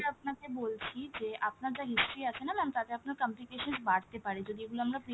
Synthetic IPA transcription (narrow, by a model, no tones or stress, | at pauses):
əpnãt̪eboːlt͡ʃʰid͡ʒeːʔapnad͡ʒaɦɪsʈɾiasenamɛ̃mt̪aːt̪eapnakəmplikeːʃənsbaːʈʰt̪epaːɽed͡ʒod̪ʱikulɐmnapɾi